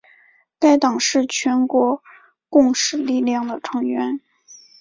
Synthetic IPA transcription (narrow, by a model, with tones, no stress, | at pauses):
ka˥˩ɪt̪ɑ˨˩ŋʂɻ̩˥˩t͡ɕʰɥɛ˧˥nkwɔ˧˥ | kʊ˥˧ŋʂɻ̩˥˧li˥˧ljɑ˥˩ŋd̪ə˩ʈ͡ʂʰɤ˧˥ŋɥɛ˧˥n